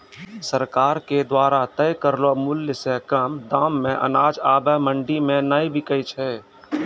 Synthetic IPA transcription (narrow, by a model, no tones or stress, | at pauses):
səɾkaːɾked̪waːɾat̪ɛjkəɾlomʊljəsekəmd̪aːmːẽʔɐ̰naːd͡ʒaːbəmə̃ɳɖimẽnaːibʱikəit͡ʃʰɛː